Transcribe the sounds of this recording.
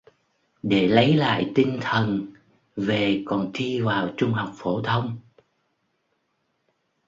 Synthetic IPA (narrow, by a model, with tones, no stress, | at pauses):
ɗe˧˩lə˨˦jla̰ː˧˨jt̪i˧ŋ̟t̪ʰə˨˩n | ve˨˩kɔ˨˩nt̪ʰi˧vaː˨˩wt͡ɕʊ˧ŋ͡mɦa˨˩wk͡p̚fo˧˩t̪ʰə˧wŋ͡m